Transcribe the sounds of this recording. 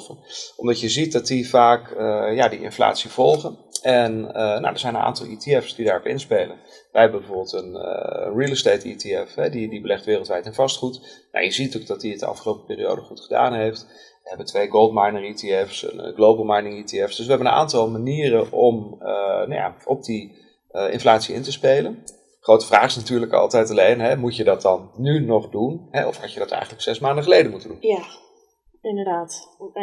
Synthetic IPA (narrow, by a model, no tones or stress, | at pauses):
fəʔɔmdɑtjəzit̚dɑtdivaːkəjadiʔɪ̰nfla̰ːtsiv̥ɔlˠχənɛnəna̰wdəɹzɛjnənʔa̰ːntɑlˠitiɛfsdidaːrɔpɪ̰nspejlən | ʋəjɦɛbəmbəvoːbəlˠtən̰ə̰nrilˠəstejtḭtiɛfɦɛdidibəlɛχtʋɪːrlˠtʋɛjtɛnvɑstχutna̰jəzitoɡ̚dɑt̚diətdə̰ɑ̰fχəlowpə̥pɪːrio̰wdəχutχəda̰ːnɦejft | ʋəɦɛbətʋejɡolˠdmajnəritiɛfsə̰n̰ɡlowbəl̩ˠmajnəŋitiɛfsd̥ɵsʋəɦɛbənəna̰ːntɑlˠmaniːərəʔɔməna̰ja̰ʔɔp̚di | ɪ̰nflaːtsiɪ̰ntəspejlən | χrowtə̥v̥raːχɪsnatyːɹləkɑ̰lˠtɛjtalejnɦɛmucjədɑt̚dɑnːynɔχdunɦɛɔfhɑcjədɑtɛ̰jχən̩ləksɛsmaːndəχəlejdənmutəndunja | ɪndədaːt